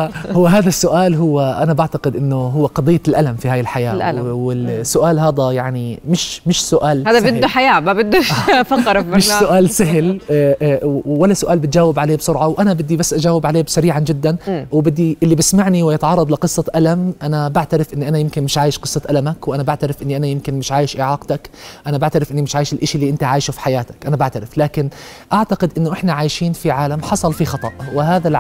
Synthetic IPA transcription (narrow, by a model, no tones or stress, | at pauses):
hʊwːɦaːðasːʊʔaːlɦʊwːaʔanabaʕt̪aqɪd̪ʔɪnːʊɦʊwːaqɑd̪ˤɨjːalʔalamfihaːjɪlħaja̰ːwɪsːʊʔaːlɦaːd̪ajaʕnimɪʃmɪʃsʊʔaːlaːðabɪd̪uħajaːmabɪd̪ːʊʃfɑqɾˤmɪʃsʊʔaːlsaɦɪl | walːasʊʔaːlbɪt̪̚d͡ʒaːwɪbʕaleːbsˤʊɾʕɑwʔanabɪd̪ːibasːʔad͡ʒaːwɪbʕaleːbsaɾiːʕand͡ʒɪd̪ːanwbɪd̪ːiʔɪlːibɪsmaʕniwɪjɪt̪ʕɑrˤːɑd̪ˤlɪqɨsˤːɑʔalamʔanabaʕt̪aɾɪfʔɪnːiʔanajɪmkɪnmɪʃʕaːjɪʃqɨsˤːɑʔalamakwʔanabaʕt̪aɾɪfʔɪnːiʔanajɪmkɪnmɪʃʕaːjɪʃʔɪʕɑːqt̪akʔanabaʕt̪aɾɪfʔɪnːimɪʃʕaːjɪʃɪlʔɪʃlːiːʔɪnt̪aʕaːjʃufi̥ħajaːt̪ḁkʔanabaʕt̪aɾɪflaːkɪn | ʔaʕt̪aqɪd̪ʔɪnːʊʔɪħnaʕaːjʃiːnfiʕaːlamħɑsˤɑlfixɑt̪ˤɑʔwɪhaːðal